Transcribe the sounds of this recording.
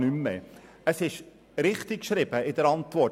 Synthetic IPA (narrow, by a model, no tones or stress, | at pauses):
nymːɛ | əsɪʃ | ɾɪχtɪkʃɾɪb̥əɪdəɾɑntvɔ